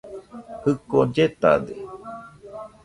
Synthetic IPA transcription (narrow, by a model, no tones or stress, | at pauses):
hɨkod͡ʒet̪a̰d̪e